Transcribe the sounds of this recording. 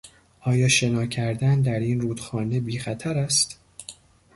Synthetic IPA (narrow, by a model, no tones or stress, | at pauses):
ʔɒːjɒːʃe̞nɒːcʰæɾd̪ænd̪æɾiːnruːd̪̥xɒːne̞biːxæt̪ʰæɾæst̪